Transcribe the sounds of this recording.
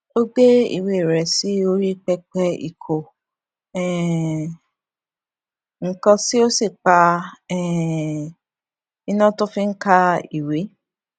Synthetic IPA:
o˦ɡe˦ḭ˨we˨ɾɛ˨si˨˦o˧ɾi˦k͡pɛ˧k͡pɛ˧ḭ˨kʰo˨ | ɛ˨ | ŋ̩˨kɔ̃˧si˦o˦si˦˨k͡pa˧ɛ˨ | i˧nã˦tõ˦fĩ˦ŋ̩˦ka˧i˨we˨˦

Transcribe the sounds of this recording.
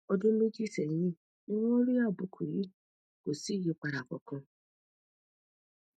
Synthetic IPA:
ɔ˧dũ˦lo˦d͡ʒi˦˨sɛ˨jĩ˦˨ | ĩ˦wɔ̃˦o˦ɾi˦a˦˨bu˨˦kʰu˨ji˨˦ | ko˨si˨˦˨ji˧˦k͡pa˧ɾa˨kɔ̰˨kã˧

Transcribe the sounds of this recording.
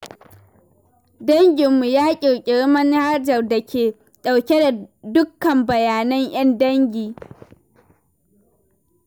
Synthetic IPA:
dɐ˦ŋɡʲɪ˨mːu˨jaː˦kʲʼɪ˨kʲʼɪ˨ɽmɐ˦nha˦d͡ʒɐ˨rdɐ˨kʲʰeː˨ | ɗa˨wkʲe˦da˨dʊ˦kːɐ˨mbɐ˨jaː˨nɐ˦ɲj̰ɐ˦ndɐ˦ŋɡʲiː˨

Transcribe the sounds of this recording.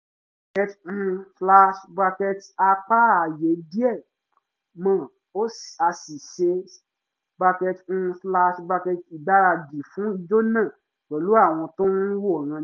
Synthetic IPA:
ba˧kɛ˧t̩˧fla˧ʃba˧kɛ˧ta˧k͡pa˦a˨je˨˦di˦ɛ˦˨ | mã˦˨ | o˦sa˧si˨ʃe˧˦ | ba˧kɛ˧t̩˧fla˧ʃba˧kɛ˧ti˨ba˨˦ɾa˧di˨fũ˨˦i˧d͡ʒo˦nã˦˨ | k͡pɛ˨lu˨˦a˦˨w̃ɔ̃˧tõ˦n˦wo˦˨ɾ̃ã˧

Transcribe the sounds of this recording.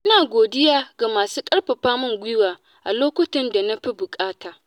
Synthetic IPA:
ʔa˦naː˨ɡʷoː˨dɪ˦jaː˦ɡa˨maː˨suː˦kʼɐ˦ɽɸɐ˨ɸaː˦mʊ˦ŋɡʷɪ˦waː˨ | ʔa˨loː˦kʷʊ˦tɪ˦nda˨na˦ɸi˦bʊ˨kʼaː˦taː˨

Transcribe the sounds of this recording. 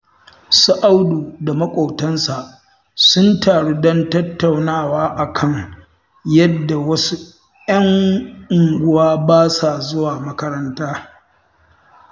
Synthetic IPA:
sʊ˦ʔa˦wduː˨da˨mɐ˦kʷʼo˨tɐ˦nsa˨ʔ | sʊ˦ntaː˨ɽe˦dɔ˦ntɐ˦tːa˨wnaː˦˨waː˦ʔa˨kʰɐ˦ŋ | jɐ˦dːa˨wɐ˦su˦ | jɐ˦ŋʔʊ˨ŋɡʷʊ˦waː˦baː˦sa˨zʊ˦waː˨mɐ˦kɐ˦ɾɐ˦ntaː˦

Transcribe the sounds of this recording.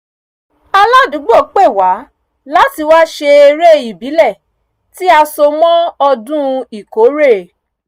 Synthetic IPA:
a˧la˦dũ˨˦ɡ͡bo˦˨˦k͡pe˦˨wa˨˦ | la˦ti˧wa˦ʃe˧e˧ɾe˦i˨bi˨˦lɛ˦˨ | ti˦a˧so˧mɔ̃˦ɔ˧dũ˦˧i˨ko˨˦ɾe˦˨

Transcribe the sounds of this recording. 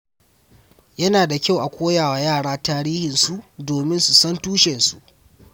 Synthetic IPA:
jɐ˦naː˨da˨kʲa˦˨wʔa˨kʷoː˦jaː˨wa˨jaː˦˨ɽaː˦taː˦ɾiː˦hɪ˨nsu˦˨ʔdoː˨mɪ˦nsu˨sɐ˦ntuː˦ʃɛ˨nsu˨ʔ

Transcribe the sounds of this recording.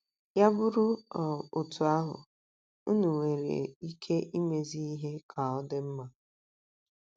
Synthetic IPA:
ja˦bʊ˦ɾʊ˦˨o˨tu˨a˦ɦʊ̰˨ | ʊ˦nu˨ŋʷe˨ɾḛ˨i˦kʰe˦ʔi˦me˨zi˦i˦ɦe˦kʰa˨ɔ˦dɪ˦m̩˦ma˨

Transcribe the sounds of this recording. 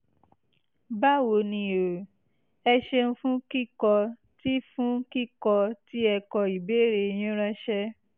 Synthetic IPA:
ba˦wo˨nĩ˧o˨ | ɛ˧ʃe˧ñ̩˧fũ˦ki˦kɔ˧ | ti˦fũ˦ki˦˨kɔ˧ti˦ɛ˧kɔ˧i˨be˨˦ɾe˧j̃ĩ˦ɾã˦ʃɛ˦

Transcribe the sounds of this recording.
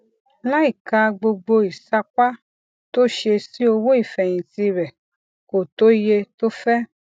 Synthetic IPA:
la˦i˦˨ka˧ɡ͡bo˧ɡ͡bo˧i˨sa˧ka˦ | to˦ʃe˧si˦o˧wo˦i˦˨fɛ˨j̃ĩ˨ti˧ɾɛ˨ | ko˨to˦je˧to˦fɛ˦

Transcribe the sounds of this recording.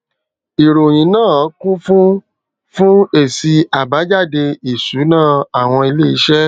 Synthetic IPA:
i˨ɾo˨j̃ĩ˨˦nãː˦˨ɔ˨˦kũ˦fũ˦ | fũ˦e˦˨si˧a˨ba˨˦d͡ʒa˦˨de˧i˨su˨˦nãː˦˨a˨w̃ɔ̃˧i˧le˦i˧˦ʃɛ˦

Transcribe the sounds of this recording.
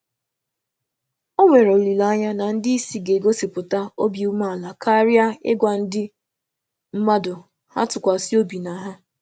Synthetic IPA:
o˦ŋʷe˨ɾo˨li˨la˦ɲa˦na˨n̩˦dɪ˦i˦si˨ɡe˨ɡo˦si˨pʊ˨ta˦o˦bi˨u˦ma˦a˨la˨kʰa˦ɾɪ˦a˦ɪ̰˦ɡʷa˨n̩˦dɪ˦ | m̩˦ma˦dʊ˨ | ha̰˦tʊ˨kʷa˨si˦o˦bi˨na˨ɦa˦

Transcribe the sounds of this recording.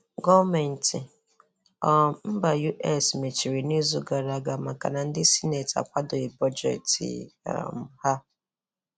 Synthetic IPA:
ɡɔ˦me˨n̩˨ti˨ | ɔ˦˨m̩˦ba˨ju˦ʔɛ˦sme˨t͡ʃi˨ɾi˨ni˦zu˦ɡa˨ɾa˨ɡa˨ma˨ka̰˨na˨n̩˦dɪ˦si˦ne˨ta̰˨kʷa˦dʊ˨ɪ˨bɔ˦d͡ʒḛ˨tḭ˨a̰˨m̩˦ha˦

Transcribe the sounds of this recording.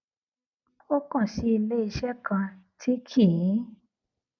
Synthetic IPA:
o˦kɔ̃˦˨ʃi˧˦i˧le˦i˧ʃɛ˦kã˧tʰi˦kʰi˨˦

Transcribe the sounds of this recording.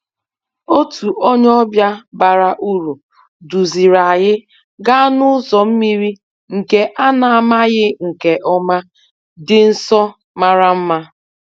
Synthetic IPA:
o˦tu˨o˦ɲ˦ɔ˦bja˦ba˨ɾa˨ʔu˦ɾu˨ | du˨zi˨ɾa˨ɣɪ˦ | ɡa˦nʊ˦zɔ˨m̩˦mi˦ɾi˦ | ŋ̩˨ke˦ʔa˦na˨a˨ma˦ɣɪ˦ŋ̩˨ke˨ʔɔ˦ma˦ | dɪ˨n̩˦sɔ˦ | ma˦ɾa˦m̩˦ma˦

